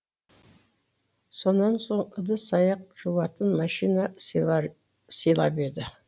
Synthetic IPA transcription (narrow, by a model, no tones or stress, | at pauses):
so̞nːɑnso̞ɴəd̪əsɑjɑq̚ʒ̥uwɑt̪ənmɑʃinɑ | səjlˠɑ̰pe̞d̪ɪ